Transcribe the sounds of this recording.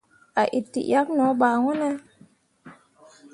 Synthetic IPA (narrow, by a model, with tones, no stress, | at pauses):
a˨ʔi˨tːḭ˨ʔja˦k̚nɔ̃˨˦ɓaː˨ŋɔ˦nɛ˦